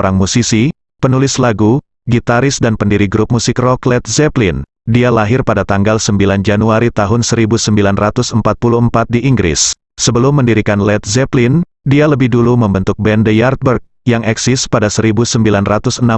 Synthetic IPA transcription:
ɾaŋmusisi | pənulɪslaɡu | ɡit̪aɾɪsdanpəndiɾiɡɾup̚musɪkrɔklɛt̪̚zɛplin | dialaɦɪrpadat̪aŋɡalsəmbiland͡ʒanuaɾit̪aɦʊnsəɾibusəmbilanrat̪usəmpat̪̚puluəmpat̪̚diʔiŋɡɾɪ̰sː | əbəlʊmːəndiɾikanlɛt̪̚zɛplin | dialəbɪhduluməmbənt̪ʊk̚bɛndəjart̪̚bərk̚ | jaŋɛksɪspadasəɾibusəmbilanrat̪usəna

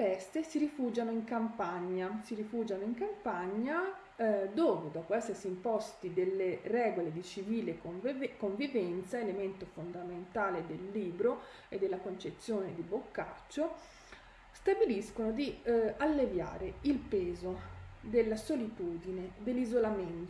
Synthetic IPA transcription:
pɛst̪esiɾifuːd͡ʒanoiŋkampaɲːasirifuːd͡ʒanoiŋkampaɲːa | d̪oːved̪ɔːpoɛsːersimpɔst̪id̪elːerɛːɡoled̪it͡ʃiviːlekoɱvivɛnt̪saelement̪ofond̪ament̪aːled̪elːiːbɾo | ed̪ːelːakont͡ʃet̪sːjoːned̪ibokːat͡ʃːo | st̪abiliskonod̪ialːevja̰ːɾeilpɛːzod̪elːasolit̪uːd̪ined̪elːizolament̪

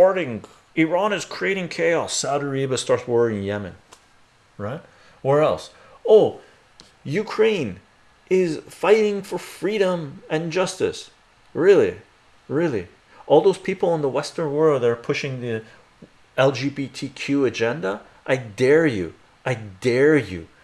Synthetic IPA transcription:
ɔɹɾɪ̃ŋ | ɪɹɑ̃nɨz̥kʰɹ̥ieɪɾɪ̃ŋkʰeɪɔsːaʊɾə˞ibəstɑɹtswɜ˞ɪ̃ŋ̃njɛmɨ̰̃n | ɹaɪt̚ | wə˞ɛlˠs | oʊ | jʉkʰɹ̥ẽɪ̃n | ʔɪz̥faɪɾɪ̃ŋfə˞fɹiɾə̃mɨ̃nd͡ʒʌstɨ̰s | ɹɪlˠḭ | ɹɪlˠḭ | ʔɔlˠðoʊz̥pʰipl̩ˠə̃nðəwɛstə̃˞nwɜ˞lˠd̪̚ðəɾə˞pʰʊʃɪ̃ŋði | ɛlˠd͡ʒibitʰikʰj̥ʉɨd͡ʒɛ̃ndə | ʔaɪdɛɹjʉ̰ | ʔaɪdɛɹjʉ̰

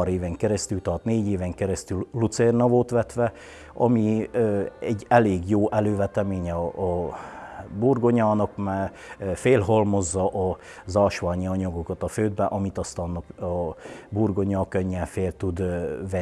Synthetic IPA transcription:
ɾeːvɛŋkɛɾɛst̪ylt̪ɒrt̪neːɟeːvɛŋkɛɾɛst̪ylːut̪sɛrnɒvoːt̪ʋɛt̪ʋɛ | ɒ̰miøɛɟːɛleːɡjoːʔɛløːvɛt̪ɛmeːɲɛɒː | burɡo̞ɲɑːnɒkmaː | feːlɦolmo̞zːɒʔɒ | zɒʃʋaːɲiɒɲɒɡokɒt̪ɒføːd̪bɛʔɒmit̪ɒst̪ɑnːɒkːburɡo̞ɲɒːkøɲːɛfeːlt̪ud̪ʋɛ

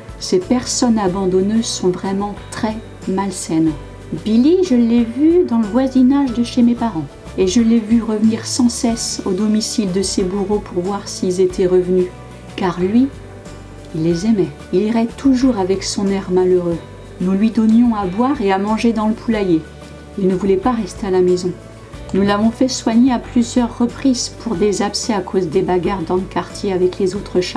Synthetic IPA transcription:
sepɛʁsɔnabɑ̃d̪ɔnøzsɔ̃vʁɛmɑ̃t̪χɛ | malsɛn | biliʒəlːɛvyd̪ɑ̃ləvwazinaʒd̪əʃemepaʁɑ̃ | eʒəlːɛvyʁəvəniʁsɑ̃sɛsod̪ɔmisild̪əsebuʁopuʁvwaʁsiːlzet̪ʰɛʁəvny | kaʁlɥi | ilːezɛmɛ | iliʁɛt̪ʰuʒuʁavɛksɔ̃nɛʁmaløʁø | nulɥid̪ɔnjɔ̃abwaʁeamɑ̃ʒed̪ɑ̃ləpʰulaje | ilnəvulɛpaʁɛst̪ealamezɔ̃ | nulavɔ̃fɛswaɲeaplyzjœʁːəpχizpʰuʁd̪ezapsɛakʰozd̪ebaɡaʁd̪ɑ̃ləkaʁt̪jeavɛklezot̪χəʃa

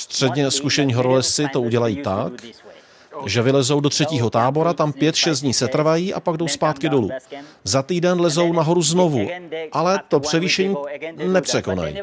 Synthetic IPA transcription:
st̪r̥ɛdɲɛskuʃɛɲiːɦo̞ɾolɪst͡sɪt̪o̞uɟɛlajiːt̪ak | ʒɛvɪlɛzo̞wdo̞t̪r̝̥ɛciːɦo̞t̪aːbo̞ɾat̪ampjɛt̪ʃɛst̪dɲiːsɛt̪r̩vajiːʔa̰paɡdo̞wspaːt̪kɪdo̞lṵːzat̪iːdɛnlɛzo̞wnaɦo̞ɾuzno̞vuʔalɛt̪o̞pr̝̥ɛviːʃɛɲiːnɛpr̝̥ɛkona̰jḭː

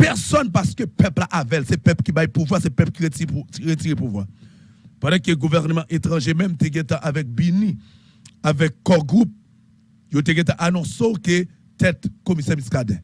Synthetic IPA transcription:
pɛʁsɔnpaʁskøpœplaʔavɛlsɛpɛpkibajpuvwaʁsɛpɛpkieiʁet̪iʁepuvwa | pɑ̃dɛ̃keɡuvɛʁnəmɑ̃ʔet̪ʁɑ̃ʒemɛ̃mt̪eɡɛ̃t̪ãʔavɛk̚binĩ | avɛkːɔɡʁup̚ | jot̪̬eɡɛ̃t̪̬ãʔanɔ̃soke | t̪ɛt̪komisɛmiskad̪ɛ̰̃

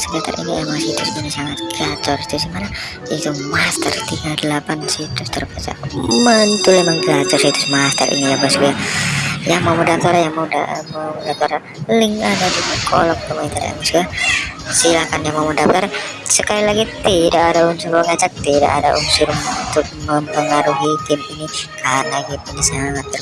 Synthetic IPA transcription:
səkit̪a̰rḭŋijamasit̪ʊsɡinisaŋat̪̚ɡat͡ʃɔri̥t̪ʊs̬imana | it̪umast̪ə̰rt̪iɡadəlapansit̪ʊst̪ərbat͡ʃa̰mənt̪ulemaŋɡat̪ɔrsit̪ʊ̥smast̪ə̰ɾʔḭnijaŋbasɡujajaŋmawmudap̚t̪aɾajaŋmauda̰mamdap̚t̪aɾ | lɪŋadadikʰɔ̰lɔk̚əmaint̪aɾ̰a̰masɡa | silakanjaŋmawmədaf̚t̪arsəkalilaɡit̪idaːdaunsuɾuməŋad͡ʒak̚t̪ida̰ʔadaʔṵnsuɾuŋnt̪ʊk̚məmpəŋaɾuɦit̪ɪminikalaɡipunisaŋat̪̚ːər

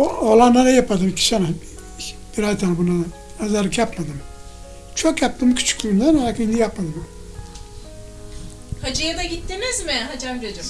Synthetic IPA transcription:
oolˠanːanajapʰad̪ɯmkʲʰi̥ʃana | b̥iɾazt̪ʰanbuna | azaɾkʰʲapmad̪ɯm | t͡ʃʰokjap̚t̪ɯmkʲʰy̥t͡ʃʰy̥kʲʰːulund̪anaɾakind̪ijapmad̪ɯmu | had͡ʒajad̪aɡʲit̪ːemɛzmɪɦad͡ʒambiɾad͡ʒa

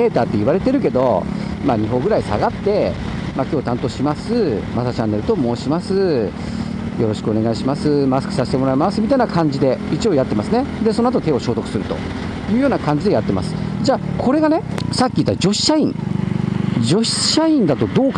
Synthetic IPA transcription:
e̞ːt̪aːt̪ːe̞iβaɾe̞t̪e̞ɾɯ̟ke̞d̪o̞maːɲ̟iɦo̞ːɡɯ̟ɾaisa̰ɡat̪ːe̞makʲo̞ːt̪ãnt̪o̞ːɕimasɨmasat͡ɕãnːe̞ɾɯ̟t̪o̞mo̞ːɕimasɨ | jo̞ɾo̞ɕi̥kɯ̟o̞ne̞ɡaiɕimasɨmasɨ̥kɯ̟̥saɕi̥t̪e̞mo̞ɾaimasɨmʲit̪ainakʰãɲ̟d͡ʑid̪e̞it͡ɕijo̞ːjat̪ːe̞masɨne̞d̪e̞sonoat̪ot̪e̞ːo̞ɕo̞ːt̪o̞kɯ̟̥sɨɾɯ̟t̪o̞̰ | jɯ̟ːjoːnakãɲ̟d͡ʑid̪e̞jat̪ːe̞ma̰sɨ̥d͡ʑaːkʰo̞ɾe̞ɡane̞sakʲːiːt̪ːaɾad͡ʑo̞ɕi̥ɕaĩŋ | d͡ʑo̞ɕɕaĩnd̪at̪o̞d̪o̞ːka

